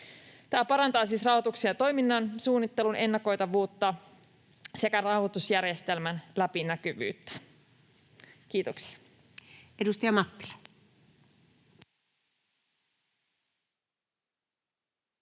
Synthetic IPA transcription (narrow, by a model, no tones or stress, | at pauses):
t̪æːpɑɾɑnt̪ɑːsiːsrɑwhot̪uksiɑt̪o̞jminːɑnsuːnːit̪ːe̞lune̞nːɑko̞jt̪ɑʋuːt̪ːɑ | se̞kærɑwhot̪usjærjest̪e̞lmænlæpinækyʋy̰ːt̪ːæ̥ | k̟iːt̪oksi̥ɑ | edust̪ɑjɑmɑt̪ːi̥le